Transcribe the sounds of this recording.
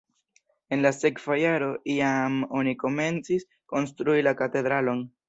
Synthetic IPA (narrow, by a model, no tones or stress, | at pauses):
e̞nlase̞kv̥ajaɾo̞ʔiamo̞niko̞me̞nt͡sis | ko̞ns̬tɾuilakate̞d̪ɾalo̞n